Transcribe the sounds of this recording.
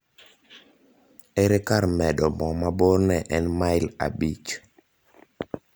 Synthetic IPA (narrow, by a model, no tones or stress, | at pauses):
ɛɾɛkaɾmɛdɔmɔmabornɛʔɛnmaɪla̰bit͡ʃ